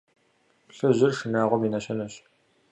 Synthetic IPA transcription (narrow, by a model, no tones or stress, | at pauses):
pɬɨʑɪrʂɨnaːʁʷɔminɐɕɐnɐɕ